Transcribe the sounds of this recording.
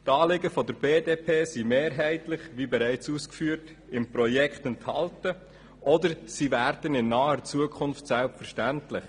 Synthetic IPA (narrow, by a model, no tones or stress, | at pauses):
tɑːlɪɡəfɔdəɾbeːdeːpʰeːsimeːɾɦɛɪtlɪχʋibɛɾæɪt͡suːskfyːəɾt | ɪmpɾɔjɛkχtɛnthɑltə | ɔdəɾsivæɾd̥ənɪnːɑːət͡suəkʰʊnftsɛlpfəɾʃtæntlɪχ